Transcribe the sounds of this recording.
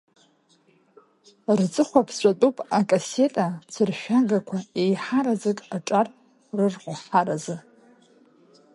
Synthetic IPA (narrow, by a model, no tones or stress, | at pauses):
rt͡sʼɨχʷapʰɕʷʼatʼupʼakʼase̞tʼat͡sʰɨrʃᶣaɡakʷʰaejħaɾazɨkʼaʈ͡ʂʼar | rɨrqʷʊħaɾazɨ